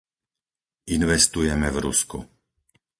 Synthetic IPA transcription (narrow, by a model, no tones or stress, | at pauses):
inʋɛst̪ujɛmɛvɾṵskṵ